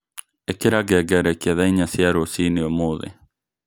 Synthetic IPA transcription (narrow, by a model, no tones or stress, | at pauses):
ekeɾaɡɛɡɛɾɛkiaðaiɲasjaɾosiniomoðḛ